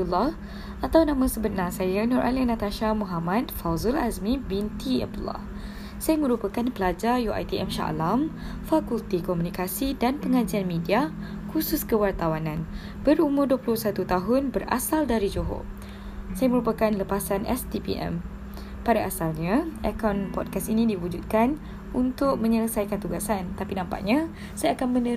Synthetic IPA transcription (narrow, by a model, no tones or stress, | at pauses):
ulɔh | ʔat̪awnãmãsəbənãsajanʊɾʔa̰linãt̪aʃamũɦamãt̚fawzʊla̰zmĩbint̪ia̰b̚d̪ulɔ̰h | sajamə̃ɾupakanpəlad͡ʒarjuʔa̰jt̪iʔɛmʃa̰ʔlamfakult̪ikɔmũnikasidanpəŋãd͡ʒianmĩdiakusʊskəwart̪awanãn | b̥əɾumʊrduəpulʊhsat̪ut̪aɦʊnbəra̰saldaɾid͡ʒoɦo̰ | sajaməɾupakanləpasanɛ̰st̪ipḭʔɛ̰m | padaʔasalɲãʔɛkawnpɔt̚kastinĩdiwud͡ʒut̪̚kan | unt̪ʊk̚mə̃ɲələsajkant̪uɡasant̪apinãmpa̰ʔɲã | sajaakanmə̃nə